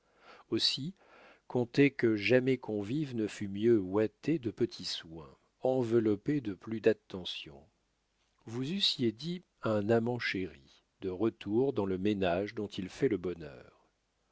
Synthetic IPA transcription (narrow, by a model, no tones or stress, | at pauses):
osi | kɔ̃t̪ekəʒamɛkʰɔ̃vivnəfymjøwat̪ed̪əpət̪ʰiswɛ̰̃ | ɑ̃vəlɔped̪əplyd̪at̪ːɑ̃sjɔ̰̃ | vuzysjed̪i | ɛ̃namɑ̃ʃeʁi | d̪əʁət̪uʁd̪ɑ̃ləmenaʒd̪ɔ̃t̪ʰilfɛləbɔnœ̰ːʁ